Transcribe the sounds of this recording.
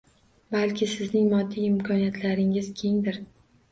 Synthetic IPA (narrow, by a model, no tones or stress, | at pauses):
balkʲʰɪsɪznɪŋmɒd̪ːiɪmkʰɒnijat̪ʰlaɾɪŋɪzkʲʰe̞ŋd̪ɪɾ